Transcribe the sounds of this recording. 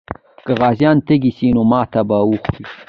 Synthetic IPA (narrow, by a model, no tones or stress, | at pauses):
kəɣɑːzjɑːnt̪eɡisinomɑːt̪abawuxɾi